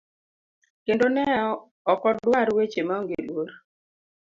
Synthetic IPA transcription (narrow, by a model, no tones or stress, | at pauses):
kendonɛɔ | ɔkɔdwaɾwet͡ʃemaɔŋɡḛlwoɾ